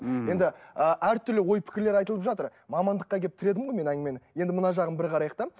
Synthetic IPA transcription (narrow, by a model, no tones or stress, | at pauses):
je̞nd̪ɪəʔæɾt̪ʰʏɾlɪwo̞jpʰɪ̥kʲɪɾleɾɑjt̪əlˠəpʒɑt̪əɾmɑmɑnd̪əqːɑkʲeɪp̚t̪ʰɪɾe̞d̪ɪmʁo̞jme̞næŋʲɪmenje̞nd̪ɪmənɑʒɑʁənbɪɾqʰɑɾɑjəqt̪ɑ